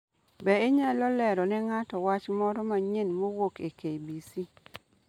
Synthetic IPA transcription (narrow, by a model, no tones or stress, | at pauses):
bɛeɲalɔlɛɾɔnɛŋatɔwat͡ʃmɔɾɔmaɲenmowokekejbisi